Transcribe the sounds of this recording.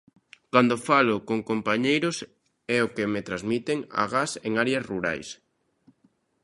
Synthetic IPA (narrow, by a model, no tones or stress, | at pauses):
kand̪ofalʊkoŋkompaɲejɾʊs | ɛokemet̪ɾazmit̪eŋa̰ɣaseŋaɾeɐsruɾa̰js